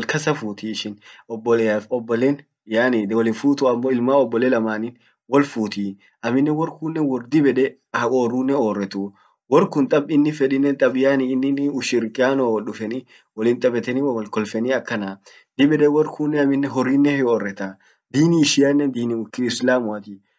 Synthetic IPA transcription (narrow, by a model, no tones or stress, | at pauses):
lkɐsɐfuːt̪ʰiɪʃɪnɔbːɔleɔbːɔleːn | jaːniwɔlɪnfuːt̪uɐmːoːɪlmaːɔbːɔleːlɐmaːniːn | wɔlfuːt̪i | ʔɐmɪnːɛwɔɾkuːnːɛwɔrd̪ɪbɛᶑɛ | hɐoːrːuːnːɛoːrːɛt̪uː | wɔɾkʊnt̪ʼɐbɪnːɪfɛᶑɪnːɛnt̪ʼɐbɪjaːniːnːɪnʊʃɪɾkʼɪaːnowɔɗʊfɛni | wɔlɪnt̪ʼɐbɛt̪ɛniwɔlkɔlfɛniːɐkːɐna | d̪̥ɪbɛᶑɛwɔrkʰuːnːɛɐmɪnːɛɦɔrːiːnːɛhɪoːrːɛt̪a | d̪iːniɪʃɪjanːɛnd̪iːnikɪɪslaːmʊɐt̪i